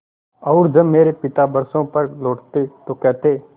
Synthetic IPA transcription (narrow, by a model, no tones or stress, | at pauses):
ɔːɾd͡ʒɐbmeːɾepɪt̪abɐɾsõpɐɾloːʈt̪et̪okɛːt̪eː